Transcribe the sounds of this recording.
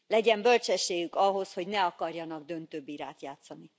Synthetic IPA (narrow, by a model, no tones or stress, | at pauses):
lɛɟɛmbø̞lt͡ʃɛʃːeːɡykɒɦo̞sho̞ɟnɛɒkɒrjɒnɒɡ̚d̪ø̞nt̪øːbiːɾaːt̪jaːt̪sɒni